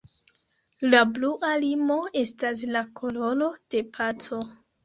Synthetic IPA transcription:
labluʔalimo̞e̞stas̬lakʰo̞lo̞lo̞d̥e̞pʰat͡so̞

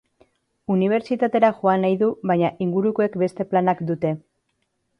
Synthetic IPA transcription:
uniβ̞e̞ɾt͡ʃit̪at̪e̞ɾaʝoanajðuβaɲaʔiŋɡuɾukoe̞kbe̞st̪e̞planakd̪ut̪e̞

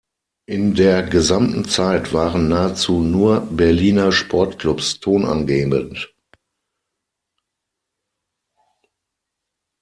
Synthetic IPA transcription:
ʔɪndeːɐɡəzamtn̩t͡saɪtv̥aːʁənːaːət͡suːnuːɐbɛɐliːnɐʃpʰɔɐtklʊpstʰoːnʔa̰nɡeːbənt

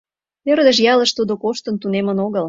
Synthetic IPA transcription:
ørd̪ə̆ʃ̬jɑlə̆ʃt̪ud̪okoʃt̪ə̆nt̪unemə̆noɣəl

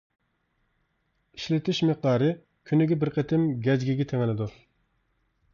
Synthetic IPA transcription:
iʃlɪt̪ʰɪʃmeq̚d̪ɑːɾɨ | kʲʰynɪɡʲɛbɪɾqʰət̪ʰɪmɡʲɛd͡ʒɡʲiɡʲɛt̪ʰeŋɪlɪd̪u

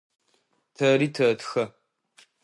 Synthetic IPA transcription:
tʰɐɾiːtʰɐːtxɐ

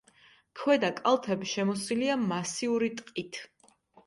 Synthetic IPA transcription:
kʰwɛd̪akʼalˠt̪ʰɛbiʃɛmɔsiliamasiuɾit̪ʼqʼit̪ʰ

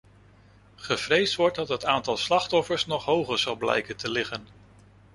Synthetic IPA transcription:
χəvrejstʋɔɹtdɑtɦətaːntɑlˠslɑχtɔfəɹsnɔχɦowχəɹzɑlˠblɛ̰jkəntəlɪχən

